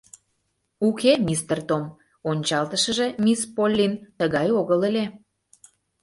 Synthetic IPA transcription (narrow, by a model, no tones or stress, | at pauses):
ukʰemʲist̪ərt̪om | onʲt͡ɕɑlt̪əʃəʒe̽mʲispolʲːint̪əɣɑjoɣələlʲe